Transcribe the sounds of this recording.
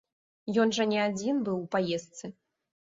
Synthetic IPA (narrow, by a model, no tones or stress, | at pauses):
jɔnʐɐnʲɛad͡zʲinbɨwpajɛst̪sɨ